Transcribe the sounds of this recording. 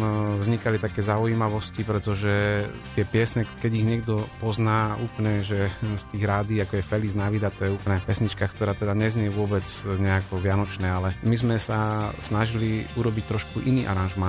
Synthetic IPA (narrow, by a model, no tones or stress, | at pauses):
vzɲikalit̪akɛːzaujiːmaʋɔscipɾɛt̪ɔʒɛt̪ɪɛpɪɛsɲɛkɛɟiɣɲɛɡd̪ɔpɔznaːuːplɲɛʒɛst̪iːɣɾaːd̪iːakɔjɛfɛliznaʋid̪at̪ɔjɛuːplɲɛpɛsɲit͡ʃkakt̪ɔɾaːt̪ɛd̪aɲɛzɲɪɛʋʊɔbɛt͡sɲɛakɔʋɪanɔt͡ʃnɛːalɛmizmɛsasnaʒiliuɾɔbict̪ɾɔʃkuʔiniːʔa̰ɾanʒma